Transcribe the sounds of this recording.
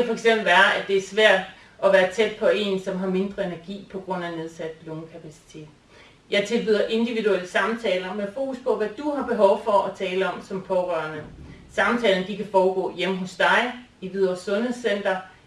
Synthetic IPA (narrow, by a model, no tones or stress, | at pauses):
æfɒ̽eɡ̥sem̰b̥l̩ʋæːɐæd̥e̝æɐsʋæɐ̰d̥ | ʔɒ̽ʋæːɐt͡sʰed̥̚pʰɒ̽e̝nsɒ̽mɦɑ̈me̝nd̥ʁɐe̝næɐɡ̥ḭːpʰɒ̽ɡ̥ʁɔ̽n̰æne̝ð̞ˠsæd̥̚b̥loːnkʰæpʰæsi̥t͡sʰe̝̰ːd̥ | jɑ̈ɪt͡sʰe̝lbʋiðˠɐʔe̝nd̥iʋidueləsɑ̈mt͡sʰɛːlɐmefo̝ːkuspʰɒ̽ʋæd̥uɦɑ̈b̥e̝ɦɒ̽ʊfɒ̽ʔɒt͡sʰɛːləɒ̽msɒ̽mpʰɒ̽ʁɶɐnəsɑ̈mt͡sʰɛ̰ːln̩əd̥ikʰæfɒːɡ̥ɔ̰̽ːjem̰əɦɔ̽sd̥ɑ̈ɪ | iʋiðˠɐsɔ̽nhe̝ð̰ˠsen̰d̥ɐ